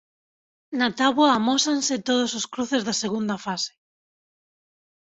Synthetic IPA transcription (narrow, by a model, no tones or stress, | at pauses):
nat̪aβwaːmɔsanset̪oðʊsoskɾuθezðaseɣ̞und̪afase̥